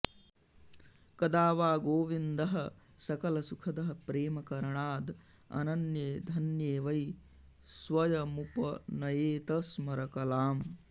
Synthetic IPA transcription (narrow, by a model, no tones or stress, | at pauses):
kɐd̪aːʋaːɡoːʋind̪ɐɦɐ | sɐkɐlɐsukʰɐd̪ɐɦɐpɾeːmɐkɐɾɐɳaːd̪ | ɐ̰nɐnjeːd̪ʱɐnjeːʋɐj | sʋɐjɐmupɐnɐjeːt̪ɐsmɐɾɐkɐlaːm